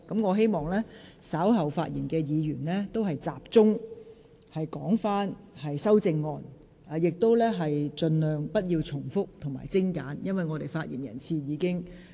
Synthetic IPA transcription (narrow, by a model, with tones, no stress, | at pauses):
kɐ˨˥mŋɔː˨˧ɦe˥jmɔː˨ŋlɛː˥saː˨˥wɦɐ˨wfa̰ː˧t̚jiː˨˩nkɛː˧jiː˨˧jyː˨˩nlɛː˥t̪o˥wɦɐ˨jt͡saː˨p̚t͡sʊ˥ŋ | hɐ˨jkɔː˨˥ŋfaː˥nhɐ˨jsɐ˥wt͡sɪ˧ŋːɔː˧nː˨ | jɪ˨k̚t̪o˥wlɛː˥ɦɐ˨jt͡ʃɵ˧nlœː˨ŋpɐ˥t̚jiː˧wt͡sʰʊ˨˩ŋfʊ˥k̚t̪ʰʊ˨˩ŋma̰ː˨˩jt͡sɪ˥ŋka̰ː˨˥njɐ˥nwɐ˨jŋɔː˨˧t̪e˨jfaː˧t̚jiː˨˩njɐ̰˨˩nt͡sʰiː˧jiː˨˧kɪ˥ŋ